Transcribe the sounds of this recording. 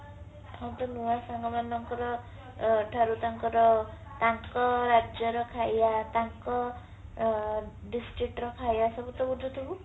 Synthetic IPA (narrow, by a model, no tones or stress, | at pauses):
ɦamt̪ɔnuwasaŋɡɔmanːɔŋkɔɾɔ | ʈʰaɾut̪aŋkɔɾɔt̪aŋkɔɾad͡ʒjɔɾɔkʰajat̪aŋkɔ | ɖisʈɾik̚ʈɾɔkʰajasɔbut̪ɔud͡ʒut̪ʰuɡu